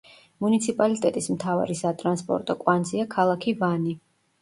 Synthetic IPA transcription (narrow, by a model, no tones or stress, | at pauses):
munit̪sʰipʼalit̪ʼɛt̪ʼismt̪ʰava̰ɾisat̪ʼɾanspʼɔ̰ɾt̪ʼɔkʼwanziakʰalˠakʰivani